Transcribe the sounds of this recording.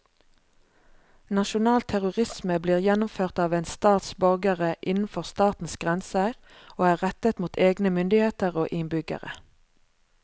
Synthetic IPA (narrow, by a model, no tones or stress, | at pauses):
nɑʃʊnɑːlt̪ʰæʁʊʁɪsməbliːʁjɛnʊmføːʁt̪ɑːʋeːnst̪ɑːt̪sbœʁɡəʁəʔɪnn̩fɔʁst̪ɑːt̪n̩sɡ̥ʁɛnsəʁ | oːæːʁɛt̪ət̪muːt̪ʰeːɡnəmʏnd̪ɪheːt̪əʁoːʔɪnbʏɡə̰ʁə̰